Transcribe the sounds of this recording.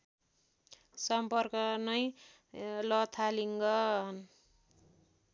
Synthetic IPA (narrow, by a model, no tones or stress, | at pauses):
sʌmpʌrkʌnʌj | lʌt̪ʰaliŋɡʌɦʌn